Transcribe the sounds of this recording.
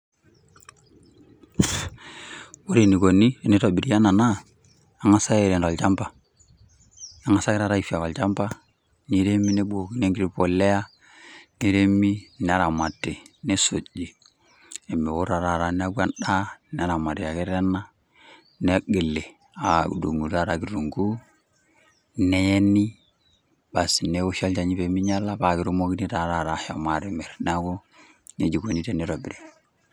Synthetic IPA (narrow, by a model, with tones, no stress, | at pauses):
wo˦ɾe˨ni˨ko˨ni˦e˨˦ni˦to˨bi˨ɾi˦ja˦na˨naː˦˨˦ | ŋa˦sa˦e˨ɾe˨nta˨lt͡ʃa˦mba˨ | a˨˦ŋa˦sa˦kɪ˦ɾa˦ɾa˦i˨fi˨a˨ka˨lt͡ʃa˦mba˦ | ni˦ɾe˦mi˦ne˦bo˨ki˨ne˦ŋɡi˦ɾi˦˨po˨le˦a˦ | ne˦ɾe˦mi˦nɛ˦a˦ɾa˨ma˨tːe˨ne˦so˨d͡ʒi˨ | e˨me˨wo˦ɾa˨ɾa˨ɾa˨ne˦a˦ɡu˦a˦nɗa˦n˦a˦ɾa˨ma˨ti˨ja˨ke˦ɾe˦nːa˦ | ne˦ɡe˨lːe˨ | a˨ṵ˨dṵ˨ŋu˨ta˦ɾa˨ɡi˨ɾɾu˨ŋɡu˦ | ne˦je˦ni˦ | ba˨si˨ne˦u˦ʃa˦ld͡ʒa˨ɲi˦be˨mi˦ɲa˦la˦ba˨ɡi˨ɾu˦mo˦ɡi˦ni˦ta˨ɾa˨ɾa˨ʃa˨ma˨ɾe˨me˨ɾna˦ɡu˦ | ne˨˦d͡ʒi˨ɡo˨ni˦te˦ni˨ɾo˨bi˨ɾi˨